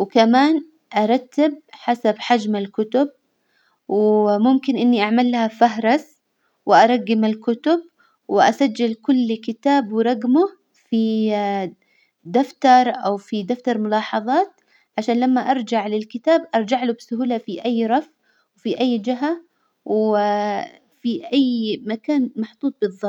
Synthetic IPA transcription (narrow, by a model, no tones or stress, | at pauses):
wɪkamaːn | ʔɑɾˤɑt̪ːɪb̚ħasabħad͡ʒmalkʊt̪ʊb̚ | wmʊmkɪnʔɪnːiʔaʕmalːahafaɦɾˤɑs | wɪʔɑɾˤɑɡːɪmalkʊt̪ʊb̚ | wɪʔasad͡ʒːalkʊlːkɪt̪aːbwɪɾˤɑɡmʊ | fi | d̪aft̪ɑɾˤʔawfid̪aft̪ɑɾˤmʊlɑːħɑðˤɑːt̪̚ | ʕaʃaːnlamːaʔɑɾˤd͡ʒaʕlɪlkɪt̪aːbʔɑɾˤd͡ʒaʕlubsʊɦuːlafiʔajːɾˤɑfʔ | wfiʔajːd͡ʒɪɦa | w | fiʔajːmakaːnmɑħt̪ˤuːt̪̚ˤbɨðˤːɑ